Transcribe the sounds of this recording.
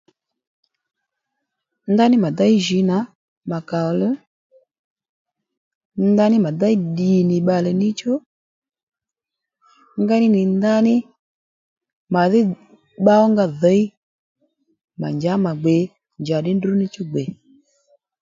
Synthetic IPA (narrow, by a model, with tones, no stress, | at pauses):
nda˦nɪ˦ma˨da˦i˦ʒi˨˦na˨˦ | ma˨ka˨lɔ˦ | nda˦nɪ˦ma˨da˦i˦ɗi˨nɪ˨ɓa˧lɛ˨nɪ˦t͡ʃɔ˦ | ŋɡa˦nɪ˦nɪ˨nda˦nɪ˦ | ma˨ðɪ˦ | ɓa˦ɔ˦ŋɡa˦ðə˨˦i˦ | ma̰˨ɲd͡ʒa˨˦ma˨ɡ͡bɛ˨ | ɲd͡ʒa˨ɗɪ˦ndu˦nɪ˦t͡ʃɔ˦ɡ͡bɛ˨